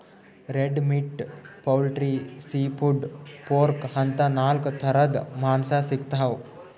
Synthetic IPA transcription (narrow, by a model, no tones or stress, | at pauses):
ɾeɖmiʈpɐwlʈɾisiːpʰuɖpoːɾkhɐnt̪anaːlkt̪ʰɐɾɐd̪maːmsasikt̪ɦɐʋ